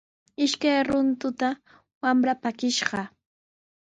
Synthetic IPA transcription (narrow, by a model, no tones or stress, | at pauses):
ɪʃkajɾʊnt̪ʊt̪a | wamɾapakɪʃɢɑ